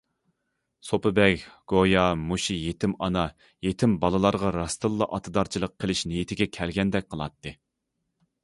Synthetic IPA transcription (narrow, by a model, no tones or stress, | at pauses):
sopɨbɛkʲɡ̥ojɑmuʃijet̪ʰɪmɑnɑ | jet̪ʰɪmbɑlˠɨlˠɑɾʁɑɾɑst̪ɨlˠːɑʔɑt̪ʰɨd̪ɑɾt͡ʃʰilˠəq̚qʰːəlˠɪʃnɪjit̪ʰɪɡʲɛkʲʰɛlɡʲɛnd̪ɛk̚ʲqʰəlˠɑ̰t̪ːɨ